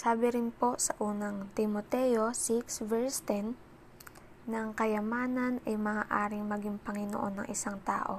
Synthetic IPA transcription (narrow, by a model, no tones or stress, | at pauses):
saːbɪɾɪnpo̞sɐʔuːnɐŋt̪ɪmot̪ɛjo̞sɪksvɛɹst̪ɛn | ɐŋkɐjɐmaːnɐnɐjmɐŋaːʔaːɾɪŋmɐɡɪŋpɐŋɪno̰ʔo̞nːɐ̰ŋʔɪsaŋt̪a̰ːʔo̞̰